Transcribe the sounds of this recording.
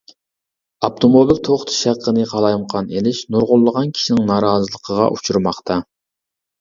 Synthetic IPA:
ɑp̚t̪ʰomolˠuvt̪ʰoχt̪ʰʃæqʰːənɨqʰɑlˠɑjmqʰɑnelɪʃnuɾʁʊlˠːəʁɑnkʲʰi̥ʃinɪŋnɑːɾɑːzɨlˠəqʰəʁɑ̰ʔut͡ʃʰuɾmɑχt̪ʰɑ

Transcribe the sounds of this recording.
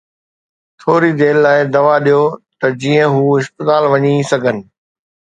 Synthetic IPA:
t̪ʰoːɾid̪eːlːaːɪd̪ɐʋaɗijot̪ɐd͡ʑiːə̃ɦuːɪspɪt̪aːlʋɐɲisɐɡʱənɪ̆

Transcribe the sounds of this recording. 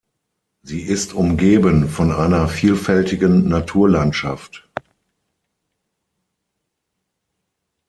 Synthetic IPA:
ziːʔɪstʔʊmɡeːbənfɔnʔaɪnɐfiːlfɛltɪɡənːatʰuːɐlantʃa̰ft

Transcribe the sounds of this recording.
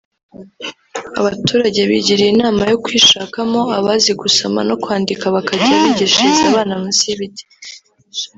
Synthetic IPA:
aβatuːɾaɟe̞βiɟiɾiinaːmajokwiːʃaːkamo̞aβaziɡusoma̰no̞kwaːndikaβakaɟiaβiɟiʃizaːβaːnamusiβiti̥

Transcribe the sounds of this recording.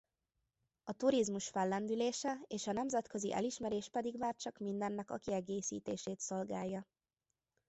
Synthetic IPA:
ɒt̪uɾizmuʃfɛlːɛnd̪yleːʃɛeːʃɒnɛmzɛt̪kø̞ziʔɛ̰liʃmɛɾeːʃpɛd̪iɡʋaːrt͡ʃɒkmind̪ɛnːɛkɒ̰kiɛɡeːsḭːt̪eːʃeːt̪so̞lɡaːjːɒ

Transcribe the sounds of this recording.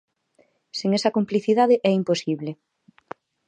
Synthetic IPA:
siŋesɐkompliθiðaðeʔɛimposiβle

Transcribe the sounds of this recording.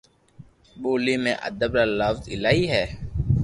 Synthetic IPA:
ɓoːliːmḛ̃ːʔə̰d̪əbɾaːləfzɪlaːiːɦɛː

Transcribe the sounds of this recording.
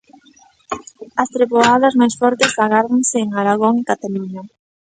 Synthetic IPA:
ɐst̪ɾeβoaðɐzmajsfɔɾt̪ɪsfaɣaɾoŋseːŋaɾaɣ̞oŋɪkat̪aluɲa

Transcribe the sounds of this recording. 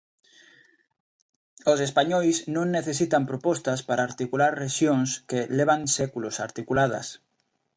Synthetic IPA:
osespaɲojznõŋnːeθesit̪ampɾopost̪aspaɾaːɾt̪ikulaɾreʃjoŋskeleβ̞aŋsekulosaɾt̪ikulað̞a̰s

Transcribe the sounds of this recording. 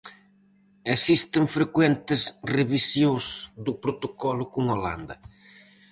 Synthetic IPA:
esist̪ɪŋfɾekwent̪ɪzreβisjõzd̪ʊpɾot̪okɔlʊkʊŋola̰nd̪ɐ

